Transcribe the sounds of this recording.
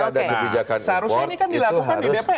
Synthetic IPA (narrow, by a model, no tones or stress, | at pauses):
adakəbid͡ʒakansəhaɾʊsanikandilakuuɦkandiʊbiapa